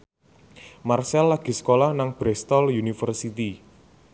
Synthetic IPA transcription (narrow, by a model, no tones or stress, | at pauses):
marsɛlːaɡ̥i̤sə̥kolahnaŋb̥ɾɛst̪ɔljunifərsit̪i